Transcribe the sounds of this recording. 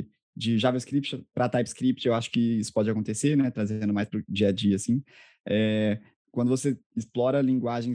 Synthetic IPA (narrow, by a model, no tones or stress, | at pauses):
d͡ʒɪʒaveskɾip̚t͡ʃpɾɐt̪ajpskɾip̚t͡ʃewaʃʊ̥kɪisʊ̥pɔd͡ʒɪakõnt̪eseɾnɛt̪ɾazẽnd̪ʊmajspɾʊd͡ʒiɐd͡ʒiɐsĩ | ɛ | kwɐ̃nd̪ʊvoseɪsplɔɾɐlĩŋɡwaʒẽj̃